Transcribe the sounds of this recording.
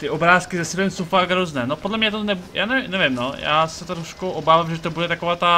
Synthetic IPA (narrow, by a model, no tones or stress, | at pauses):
t̪ɪʔo̞bɾaːskɪzɛsibɛmsowfaɡɦɾoznɛːnopodlɛmɲɛt̪onɛbja̰ːnɛvɪmnɛvɪmnoja̰ːsɛt̪ɾoʃkuʔobaːvamʒɛt̪obudɛt̪akovaːt̪a